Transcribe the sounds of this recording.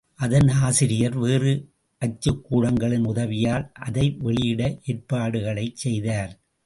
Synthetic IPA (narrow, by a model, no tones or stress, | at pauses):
ʔɐðɐnaːsɪɾɪjɐɾʋeːrɯ | ʔɐt͡ʃːɯkːuːɽɐŋɡɐɭɪnʊðɐʋɪjaːlʔɐðɐɪʋɛɭɪjɪɽɐʔeːr̚paːɽɯɣɐɭɐɪt͡ʃɛjðaːɾ